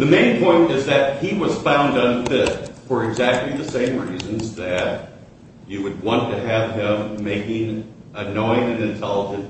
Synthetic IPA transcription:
ðɨmẽɪ̃npʰɔ̃ɪ̃ntɪzðɨt̚hiwʌz̥fãʊ̃ndʌ̃nfɪt̚fə˞ɨɡzæk̚tˡliðɨsẽɪ̃mɹizɨ̃nzðɨt͡ʃ | ɨwɨd̚wɑ̃ntʰɨɨv̥ɪ̃mːeɪkɪ̃ŋɨnɔ̃ɪ̃nɨ̃nɨ̃ntʰɛlˠəd͡ʒɨ̃nt

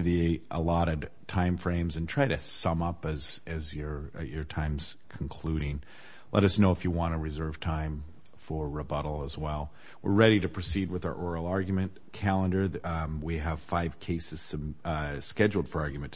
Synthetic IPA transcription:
ðiʔə̰lɔɾɨtʰãɪ̃ɱfɹẽɪ̃mzɨ̃ntʰɹ̥aɪɾɨsʌ̃mʌpɨzɨzjə˞jə˞tʰãɪ̃mz̥ | kʰn̩kʰl̥uɾɪ̃ŋ | lʔɛ̰ɾʌsnoʊəfjɨwɑ̃ñɨɹɨzɜ˞v̥tʰãɪ̃ɱ | fə˞ɹɨbʌɾl̩ˠəzwɛlˠ | wɪ̰ɹɹɛɾiɾɨpʰɹ̥ɨsid̚wɨða̰˞ʔɔɹl̩ˠɑɹɡjmɨ̃n | kʰælˠə̃ndə˞wiɨv̥faɪv̥kʰeɪsɨz̥sʌmskɛd͡ʒl̩ˠd̥fə˞ɑɹɡjɨmɨ̃n

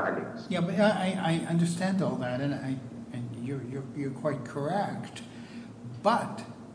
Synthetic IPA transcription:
aɾsjæbʌtaʔaɪʔaɪʔʌ̃ndə˞stæ̃ndɔlˠðæɾɨ̃naɪɨ̃njə˞jə˞jə˞kʰw̥aɪt̚kʰə˞ɛk̚t | b̥ʌt̚

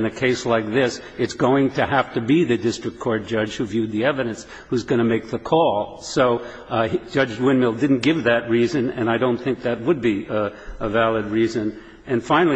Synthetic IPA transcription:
ɨ̃nɨkʰeɪslaɪk̚ðɪs | ɨtsɡ̥oʊɪ̃ŋtʰɨhæftɨbiðɨdɪstɹ̥ɨk̚tkʰɔɹt̚d̥ʒ̥ʌ̥ʒ̥hʉvjʉd̪̚ðiɛvɨɾɨ̃ns | huzɡʌnɨmeɪk̚ðəkʰɔlˠ | soʊ | d͡ʒʌd͡ʒwɪ̃nmɪlˠdɪdⁿn̩ɡ̥ɪvðɨt̚ɹizɨ̃nɨ̰̃naɪɾõʊ̃nθɪ̃ŋk̚ðɨt̚wəd̚biəvælˠɨd̚ɹizɨ̃n | ɨ̃nfãɪ̃nl̩ˠi

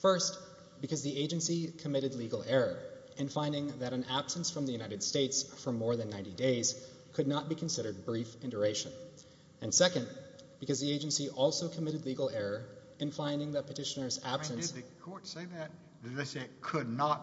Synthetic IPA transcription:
fɜ˞st | b̥ɨkʰʌzðieɪd͡ʒɨ̃nsikʰɨmɪɾɨdˡliɡl̩ˠɛɹə˞ | ɨ̃nfãɪ̃ndɪ̃ŋðɨɾɨ̃n̩æb̥sə̃nsfɹʌ̃mðɨjʉnaɪɾɨd̥steɪtsfə˞mɔɹðɨ̃nːãɪ̃ntideɪz̥ | kʰɨdⁿnət̚b̥ikʰɨ̃n̩sɪɾə˞d̚bɹifɪ̃ndə˞eɪʃɨ̰̃n | ɨ̃nsɛkɨ̃nb̥ɨkʰʌzðieɪd͡ʒɨ̃nsiʔɔlˠsoʊkʰəmɪɾɨdˡliɡl̩ˠɛɹə˞ | ɨ̃nfãɪ̃ndɪ̃ŋðɨt̚pʰɨtʰɪʃɨnə˞zæb̥sɨ̃nɨsðɨkʰɔɹtseɪðɨt̚ | dɨðeɪsekʰədⁿnət̚

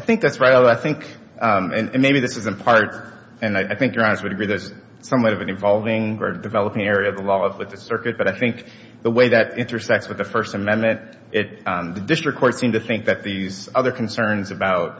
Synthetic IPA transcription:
aɪθɪ̃ŋk̚ðætsɹaɪɾlˠðoaɪθɪ̃ŋk | ʔʌ̃mɨ̃nɨ̃nmeɪbiðɪsɨzɨ̃npʰɑɹɾ | ɨ̃naɪʔaɪθɪ̃ŋkjə˞ɑ̃nə˞st̚wɨɾɨɡɹiðə˞z̥ | sʌ̃mwʌ̃ɾʌvɨ̃nɨ̃ɱvɑlˠvɪ̃ŋə̰˞ɨdɨvɛlˠəpɪ̃ŋɛɹiɨʌvðəlɔʌvwɨðɨsɜ˞kɨt̚b̥ʌɾaɪθɪ̃ŋk | ðəweɪðɨɾɪ̃ntə˞sɛk̚tswɨðɨfɜ˞stɨmɛ̃nmɨ̃nt̚ | ʔɪt̚ʌ̃mðɨdɪstɹ̥ɨkʰɔɹtsĩmtʰɨθɪ̃ŋk̚ðɨt̪̚ðizʌðə˞kʰn̩sɜ̃˞nzɨbaʊt̚

